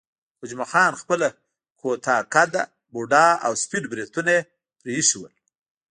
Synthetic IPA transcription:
hʊd͡ʒmaxɑːnxpəla | kʰot̪ɑkad̪a | buɖɑa̰wspiɖbɾet̪unae | pɾeʃiwəl

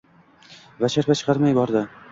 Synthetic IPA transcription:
vaʃaɾfat͡ʃʰɨ̥qʰɑɾmajbɒɾd̪ɪ

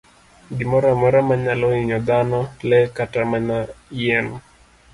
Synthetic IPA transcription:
ɡimɔɾamɔɾamaɲalɔiɲɔd̪anɔlɛkatamanaijɛn

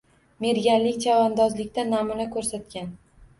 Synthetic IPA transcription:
me̞ɾɡʲanlɪkʲt͡ʃʰavɒnd̪ɒzlɪkʲt̪anːamunakʰɵɾsat̪̚kʲan

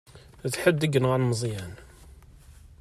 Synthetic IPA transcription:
t͡sːħəd̪ːəɡənʁəlməzˤjæn

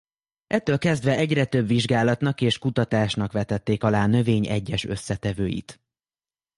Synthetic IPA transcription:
ʔɛt̪ːøːlkɛzd̪ʋɛʔɛɟrɛt̪ø̞bʋiʒɡaːlɒt̪nɒkeːʃkut̪ɒt̪aːʃnɒkʋɛt̪ɛt̪ːeːkɒlaːnø̞veːɲɛ̰ɟːɛʃø̞sːɛt̪ɛvøːjḭt̪

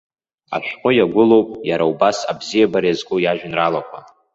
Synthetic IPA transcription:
a̰ʃʷᶣqʼʊjaɡʷʊlowpʼjaɾaubasabzijabaɾjazkʷʼujaʒᶣnralakʷʰa

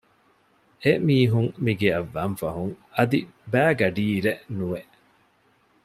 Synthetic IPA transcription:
emiːɦuŋmiɡeɐʋːɐnfɐɦuŋɐd̪ibæːɡɐɖiːɾenuʋeʔ

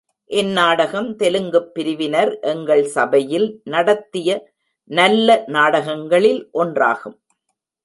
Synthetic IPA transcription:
ʔɛnːaːɽɐɣɐmt̪ɛlɯŋɡɯpːɪɾɪʋɪnɐɾʔɛŋɡɐɭsɐbɐjɪlnɐɽɐt̪ːɪjɐ | nɐlːɐnaːɽɐɣɐŋɡɐɭɪlʔɔndra̰ːɣɯm

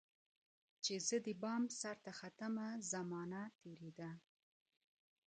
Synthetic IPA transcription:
t͡ʃezəd̪əbɑmsaɾt̪axat̪əmazamɑnat̪eɾed̪a

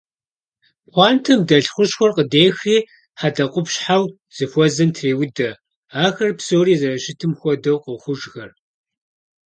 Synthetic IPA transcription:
χʷɑːntʰɨmdɐɬχʷʊɕxʷɔrqədeːxiː | ħadɐqʷʼʊpɕħaw | z̥ɨfʷɔzɐntʰreːwʊdɐ | aːxɐrpsowriːzɐrɐɕɪtʰɨmxʷɔdɐwqəxʷʊʒxɐr

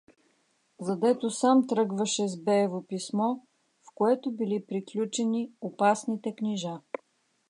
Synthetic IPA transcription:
zɐd̪ɛt̪osamt̪ɾɤɡvɐʃɛzbɛːvopismɔ | fkoɛt̪obilipɾiklʲut͡ʃɛniopasnit̪ɛkniʒa

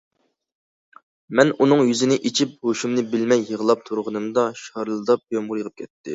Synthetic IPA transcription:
mɛnunɨŋjyzɪnɪʔit͡ʃʰip̚hoʃumnɪbɪlmɛjːəʁəlˠɑp̚t̪ʰuɾʁənɨmd̪ɑʃɑɾlˠɨd̪ɑp̚jomʁʊɾjəʁəp̚kʲʰɛt̪ʰːɪ

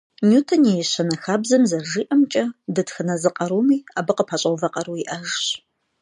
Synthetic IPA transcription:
nutʰɐnejɛɕɐnɐxaːbzɐmzɐrʒiːʔɐmt͡ʃʼɐdɨtxɨnɐzɨqʼɐɾumiːaːbɐqəpʰaɕʼɐwvɐqʼɐɾuːiʔɐʒɕ

